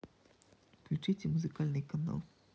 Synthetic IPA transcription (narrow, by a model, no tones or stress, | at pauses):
klʲut͡ʂɨt͡sʲɛmuzɨkalʲnɨjkɐna̰lˠ